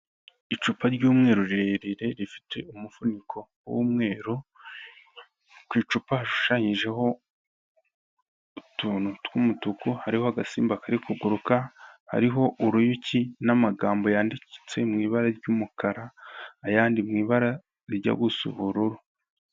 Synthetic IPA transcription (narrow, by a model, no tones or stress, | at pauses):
it͡ʃupaɾɟuːmŋe̞ːɾoɾiɾeɾiɾe̞ɾifi̥tʰe̞umufunikʰo̞wṵːmŋe̞ːɾo | kwiːt͡ʃupahaʃu̥ʃaɲiʒe̞ho̞ | utuːnutwumutukuhaɾiho̞haɡasiːmbakaɾikuɡuɾukaha̰ɾiɦo̞ʔuɾujucinamaɡaːmbo̞jaːndici̥t͡se̞mŋiːβaɾaɾɟuːmukaɾaːjaːndimŋiːβaɾa | ɾiɟa̰ɡusṵβuɾuɾu